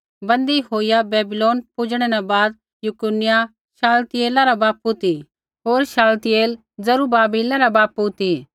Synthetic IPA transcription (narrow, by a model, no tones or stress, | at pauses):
bɐ̃nd̪iɦoːijabɛːbɪloːnpʊd͡ʒɽ̃ɛnɛbaːd̪ | jʊkʊnɪja | ʃaːlt̪ɪeːlaɾabaːput̪i | ɦoːɾʃaːlt̪ɪeːl | d͡zɐɾubaːbiːlaɾabaːput̪i